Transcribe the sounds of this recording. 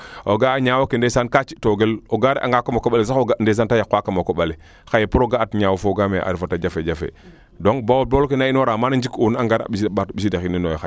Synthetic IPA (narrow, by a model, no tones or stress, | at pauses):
oɡaɲawokendesankat͡ʃitoɡeloɡaɾɛʔa̰ŋɡakamokoɓalis̬axoɡandes̬antajakwakamokoɓali | xajepuɾoɡaːtɲawofoɡameʔa̰ɾifataɟafeɟafḛ | doŋbawoboːlkenainoɾamanaɲd͡ʒikunaŋɡaɾa̰ɓisbatbisidaxininojxa